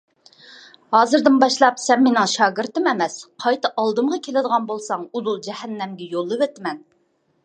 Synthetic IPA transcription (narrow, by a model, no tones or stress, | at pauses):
hɑːzɨɾd̪ɨnbɑʃlˠɑpsɛmːenɨŋʃɑːɡɨɾt̪ɨmɛmɛsqʰɑjt̪ɨʔɑlˠd̪ɨmʁɑkʲʰelɪd̪əʁɑnbolˠsɑŋuzulˠd͡ʒɛhɛnːɛmɡʲɛjolˠːɨvɛt̪mɛn